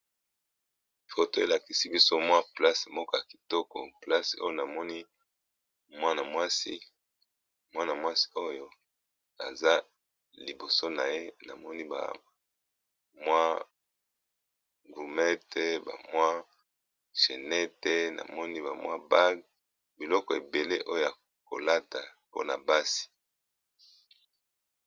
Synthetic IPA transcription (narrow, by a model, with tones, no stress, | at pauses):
fo˨to˦e˨la˨ki˨si˦bi˦so˦mwa˦pla˦smɔ˦kɔ˦ja˨ki̥˨tɔ˦kɔ̰˨pla˦so̰˦jo˦na˨mɔ˦ni˦ | mwa˦na˨mwa˦si˦ | mwa˦na˨mwa˦si̥˦o˦jo˦ | na̰˨za˦ | li˨bo˨so˦na˨je˦na̰˨mɔ˦ni˦ba̰˨a˨ | mwa˦ | ɡu˨mɛ˦te˦ba̰˨mwa˦ | ʃe˨nɛ˦te˦na̰˨mɔ˦ni˦ba˨mwa˦ba˦ɡ | bi˨lɔ˦kɔ˨e˨be˨le˦ʔo˦jo˨ja˨ | ko̰˨la˦ta˨po̰˦na̰˨ba˦si̥˨